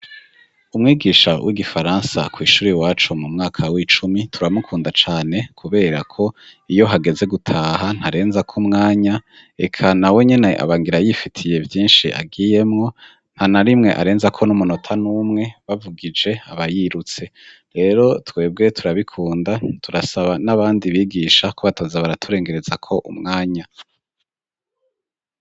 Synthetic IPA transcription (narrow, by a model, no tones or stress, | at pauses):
umŋiːɡiːʃawʔḭɡifaɾaːnsa̰kwiːʃuːɾiwaːt͡ʃumumŋaːkʰawit͡ʃumitʰuɾamukʰuːndat͡ʃaːne̞kʰuβe̞ːɾakʰo̞ijo̞ɦaɡe̞ze̞ɡutʰaːɦan̥haɾe̞ːnzakʰumŋaːɲa | e̞̰kʰanawe̞ɲe̞ne̞ʔa̰βaːŋɡiɾajifitʰije̞vjiːnʃiʔa̰ɡije̞mŋo̞ | n̥hanaɾimŋe̞̰ʔa̰ɾe̞ːnzakʰo̞numuno̞tʰanuːmŋe̞βavuɡid͡ʒe̞aβajiɾut͡se̞ | ɾe̞ːɾo̞twe̞ːb̚ɡe̞tʰuɾaβikʰuːndatʰuɾasaβanaβaːndiβiːɡiʃakoβatoːzaβaɾatʰuɾe̞ːŋɡe̞ɾe̞zakʰo̞ʔṵmŋaːɲa